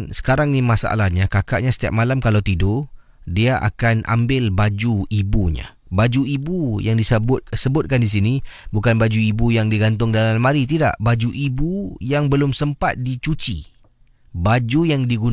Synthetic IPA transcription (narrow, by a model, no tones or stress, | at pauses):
sə̥kaɾaŋnimasaʔa̰lahɲakaka̰ʔɲasə̥t̪ia̰p̚malamkalawt̪idʊ | diaʔa̰kanʔa̰mbɪlbad͡ʒuibuɲa̰ | bad͡ʒuibujaŋdisəbʊt̪̚səbʊt̪̚kandis̬inibukanbad͡ʒuibujaŋdiɡant̪̬ʊŋdalalmːaɾit̪̬ida̰ʔbad͡ʒuʔibujaŋbəlʊmsəmpat̪̚dit͡ʃut͡ʃḭ | bad͡ʒujaŋdiɡun